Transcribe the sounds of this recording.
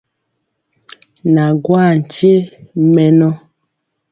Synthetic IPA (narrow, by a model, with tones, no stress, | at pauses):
na˨ɡwa˦˨n̩˨t͡ʃje˦mɛ˨nɔ˦